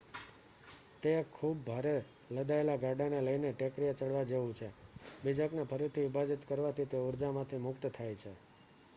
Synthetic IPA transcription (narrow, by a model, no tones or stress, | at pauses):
t̪ekʰːub̚ːʱaɾe | ləd̪aelaɡaɖaneləjneʈekɾijat͡ʃəɽʋad͡ʒeʋũt͡ʃʰebid͡ʒəknapʰəɾit̪ʰiubad͡ʒit̪kəɾʋat̪ʰit̪euɾd͡ʒamãt̪ʰimʊkt̪t̪ʰajt͡ʃʰe